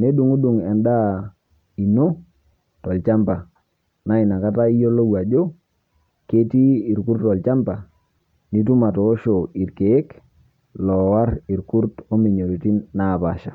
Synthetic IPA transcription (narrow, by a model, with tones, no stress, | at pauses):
ne˦du˨ŋu˦du˨ŋɛ˨nda˦ | i˨no˦ | tɔ˨lt͡ʃa˦mpa˨ | na˦i˨na˨ka˦ta˦i˦jo˦lo˦wa˨d͡ʒo˦ | ke˦ti˦i˨ɾku˦ɾtɔ˨lt͡ʃa˦mpa˨ | ni˦tu˦ma˨tɔː˨˦ʃo˨i˨ɾke˨e˦k | lɔ˨wa˦ɾi˨ɾku˦ɾto˦mi˨ɲo˨ɾi˨ti˦nːa˦˨pa˨ʃa˨